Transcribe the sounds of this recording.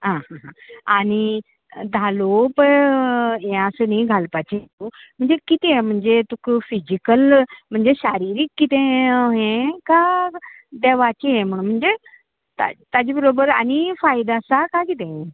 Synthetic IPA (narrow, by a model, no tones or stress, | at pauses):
ɦãɦãɦãañi | d̪ʱalopəɳ | ẽəsənĩɡʱalpat͡ɕiɦt̪um̤əɳd͡zekit̪eẽm̤əɳd͡zet̪ukfid͡ʑikəlm̤əɳd͡zeɕaɾiɾiːkːit̪ẽɦẽka | d̪eʋat͡ɕiẽm̤əɽ̃ũm̤əɳd͡ze | t̪a̰t̪ad͡ʑibəɾobəɾañifajd̪asakakit̪ẽẽ